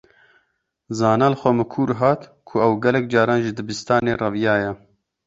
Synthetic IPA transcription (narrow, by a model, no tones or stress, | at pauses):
zɑːnaːlxʷɛmɨkʰuːɾɦɑːt̪kʰʊɛwɡɛlɛk̚d͡ʒɑːɾɑːnʒɨd̪ɨbɨst̪ɑːneːrɑvjɑːjɛ